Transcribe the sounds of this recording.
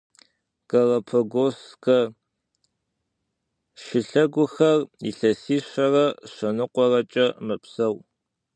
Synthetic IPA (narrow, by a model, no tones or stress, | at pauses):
kɐʁɐpʰɐɡoskɐ | ʃɪɬɐɡʷʊxɐrḭɬɐsiːɕɐrɐɕɐnɨqʷɔrɐt͡ʃʼɐmɨpsɐw